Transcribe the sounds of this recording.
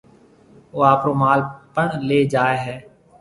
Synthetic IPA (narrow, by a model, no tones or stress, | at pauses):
oːaːpɾoːmaːlpəɳleːd͡ʒaːeːɦɛː